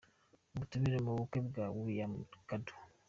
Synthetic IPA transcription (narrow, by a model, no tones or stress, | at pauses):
mutumiɾemoβukebɡawujamkadu̥